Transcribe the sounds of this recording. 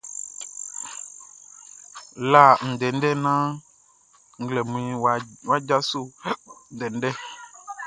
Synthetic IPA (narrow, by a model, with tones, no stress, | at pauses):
la˦˨ŋ̩̃˨dɛ˨n̩˦ɖɛ˦nã˦ | ŋ̩˦ɡlɛ˨mũ˨˦ĩ˦wwa˦d͡ʒa˦so˦˨dɛ˨n˦ɖɛ˦